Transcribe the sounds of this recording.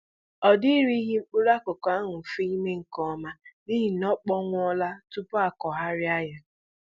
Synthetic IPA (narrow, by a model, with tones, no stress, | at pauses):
ɔ˨di˦ɾi˦ɦi˦ŋ͡m̩˦k͡pʊ˦ɾa˦kʊ˨ka˨˦ŋʊ˨fe˦i˦me˦ŋ̩˨kɔ˦ma˦ni˦ɦi˨nɔ˦k͡pɔ˦ŋʷ˦ɔ˦la˦tʊ˦pʊ˦a˨kɔ˨ɦa˦ɾɪ˦a˦ja˨